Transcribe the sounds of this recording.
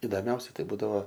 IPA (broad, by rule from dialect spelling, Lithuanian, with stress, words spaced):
ɪdoːˈmʲɛʊsʲɛ ˈtɐɪ ˈbuːdɐʋoː